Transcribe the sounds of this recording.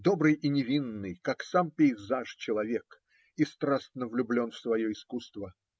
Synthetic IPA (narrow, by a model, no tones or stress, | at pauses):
d̪o̞bɾɨjinʲɪvʲinːɨjkaksampʲɪɪzaʂt͡ɕɪlˠɐvʲek | ɪst̪ɾasnəvlʲʊblʲo̞nfsvɐjoɪskust̪və